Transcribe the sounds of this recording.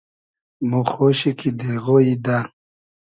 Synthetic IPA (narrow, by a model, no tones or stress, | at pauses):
muxoːɕikʰid̪eɣoid̪a